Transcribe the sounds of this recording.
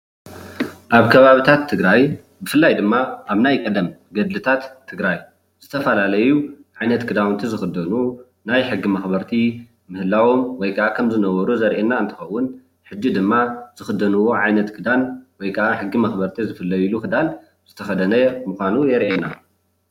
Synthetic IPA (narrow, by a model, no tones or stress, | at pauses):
ʔaβkʰɐβaβit̪ʰat̪ʰːɨɡɾaj | bɨfɨlːajd̪ɨmːaʔaβnajkʼɐd̪ɐmɡɐd̪lɨt̪ʰat̪ʰːɨɡɾaj | z̥ɨt̪ʰɐfɐlalɐjuʕajnɐt̪kʰɨd̪awnt̪ʰizɨxɨd̪ɐnu | najħɨɡːimɐxbɐɾt̪ʰi | mɨhɨlawo̞mwɔjkʰɐʔakʰɐmzɨnɐwɐɾuzɐɾʔenaɨnt̪ʰɨ̥xɐwːʊn | ħɨd͡ʒːid̪ɨmːazɨxɨd̪ɐnuwo̞ʕajnɐt̪kʰɨd̪anwɔjkʰɐʔaħɨɡːimɐxbɐɾt̪ʰizɨfɨlːɐjuluxɨd̪an | z̥ɨt̪ʰɐxɐd̪ɐnɐmuxʷanujɛɾʔena̰